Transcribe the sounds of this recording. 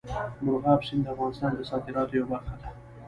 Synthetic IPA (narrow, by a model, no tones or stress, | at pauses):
mʊlɣɑpʃind̪əafɣɑnɪst̪ɑnd̪əsɑd̪ɪɾɑt̪ojawabaɾxad̪a